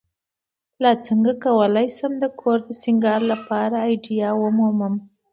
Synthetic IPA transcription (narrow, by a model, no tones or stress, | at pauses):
lat͡səŋɡakawəlajsəmd̪əkʰoɾd̪əsiŋɡɑɾlapɑɾaːjɖijɑwəmuməm